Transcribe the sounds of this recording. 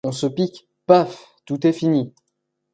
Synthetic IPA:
ɔ̃səpikʲ | paf | t̪ut̪ɛfini

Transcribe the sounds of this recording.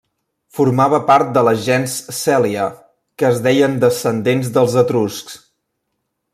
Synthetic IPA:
fuɾmaβ̞əpaɾt̪̚d̪ələʒɛnssɛliə | kəːzðɛjənd̪əsənd̪enzd̪əlˠzət̪ɾusks

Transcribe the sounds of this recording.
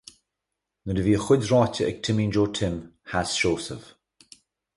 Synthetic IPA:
nədəviːəxʊdzrɔtʰəʔɪk̚tʰɪmind͡ʒoːtʰɪmhasʃoːsə̰v̥

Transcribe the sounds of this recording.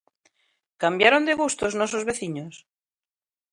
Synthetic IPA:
kambjaɾond̪eɣ̞ust̪oznos̬ozβeθiɲos

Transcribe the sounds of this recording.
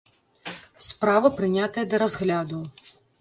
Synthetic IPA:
spɾavɐpɾɨnʲat̪ɐjɐd̪ɐɾazɣlʲad̪u

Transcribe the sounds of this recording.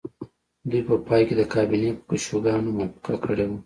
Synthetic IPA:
d̪ujpəpɑjked̪əkɑbinekoʃoɡɑnomapkakəɽewu

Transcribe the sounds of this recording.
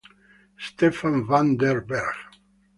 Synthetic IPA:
st̪efanvand̪ɛɾbɛɾx

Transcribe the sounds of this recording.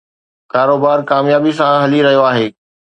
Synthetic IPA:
kaːɾoːbaːɾkaːmjaːbisãɦɐliɾɐɦijoaːɦeː

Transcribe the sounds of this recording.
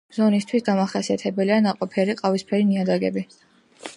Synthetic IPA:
zɔnist̪ʰwisɡamaχasiat̪ʰɛbɛlianaqʼɔpʰɛliqʼavispʰɛɾiniad̪aɡɛbi

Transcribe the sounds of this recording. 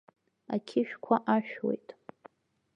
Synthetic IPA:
akʲʰɪʃᶣkʷʰaʔaʃᶣwḛjtʼ

